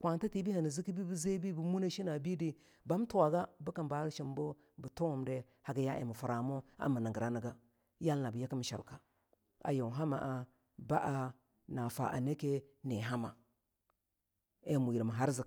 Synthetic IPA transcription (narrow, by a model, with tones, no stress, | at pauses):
kʷwʷa˨n˦ta˦ti˨bi˦ha˨ni˨zi˦ki˦bi˦bi˦ze˦bi˦bu˨mu˦na˦ʃi˦na˨bi˦di˦ | ba˦m˦tu˦wa˨ɡa˦bu˦ka˨nba˨˦ʃi˨mbo˦ | bu˨to˦wu˨mde˦ | ha˨ɡa˦ja˦ʔḛ˨mu˨fu˨ɾa˨mo˦a̰˨mu˨na˨ɡə˨ɾa˦ni˨ɡa˦ | ja˦lna˨bə˨ja˦ki˦m˨ʃa̰˨lka˨ | a̰˨jo˨ɦa˦ma̰˨ʔa˨ | ba˦ʔa˨ | na˨fa̰˨ʔa̰˨ne˦ke˦ne˨ɦa˦ma˨ | e˨mu˨ji˨ɾma˨ɦa˦ɾzi˨